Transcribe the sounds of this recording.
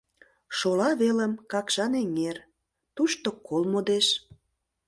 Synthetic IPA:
ʃolɑβeləmkɑkʃɑneŋer | t̪uʃt̪okolmod̪eʃ

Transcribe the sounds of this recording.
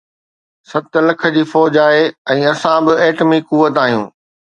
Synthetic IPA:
sɐt̪lɐkʰə̆d͡ʑiːfɔːd͡ʑaːɦeɛ̃ːɐsãbɪeːʈəmikuʋət̪aːɦijṵ̃ː

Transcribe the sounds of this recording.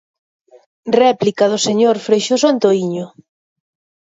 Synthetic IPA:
rɛplikaðʊseɲoɾfɾejʃos̬oant̪oiɲʊ

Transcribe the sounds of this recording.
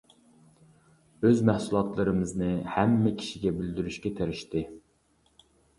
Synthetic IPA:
øzmɛhsulˠɑt̪lˠɨɾɨmɨznɨhɛmːɪkʲʰi̥ʃiɡʲɛbɪld̪yɾyʃkʲɛt̪ʰeɾɪʃt̪ɪ

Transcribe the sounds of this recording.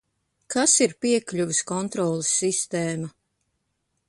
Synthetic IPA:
kʰasiɾpiɛklʲuviskɔnt̪ɾɔːlˠisːist̪ɛːma

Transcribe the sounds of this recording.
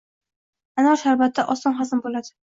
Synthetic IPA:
anɒʃaɾbat̪ʰːaʔɒst̪ɒnχazɪmbolad̪ɪ

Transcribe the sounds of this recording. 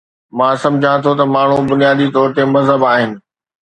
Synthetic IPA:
mãːsɐ̃md͡ʑʱãt̪ʰot̪ɐmaːɳ̤ubʊnijaːd̪it̪ɔːɾt̪emɐzɦəbaːɦɪnɪ̆

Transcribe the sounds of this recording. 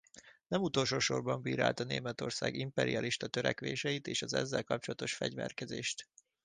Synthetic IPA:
nɛmut̪o̞lʃoːʃo̞rbɒmbiːɾa̰ːlt̪ɒneːmɛt̪o̞rsa̰ːɡimpɛɾiɒliʃt̪ɒt̪øɾɛkʋeːʃɛjit̪eːʃɒzɛzːɛlkɒp̚t͡ʃolɒt̪oʃfɛɟvɛrkɛzeːʃt̪

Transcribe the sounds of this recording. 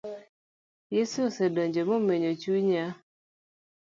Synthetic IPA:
jessedɔɲd͡ʒemomeɲot͡ʃuɲa

